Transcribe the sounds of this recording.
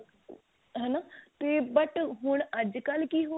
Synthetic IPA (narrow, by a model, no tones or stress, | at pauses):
ɦɛnaːt̪eːbəʈɦʊɳəd͡ʒkəlkiɦo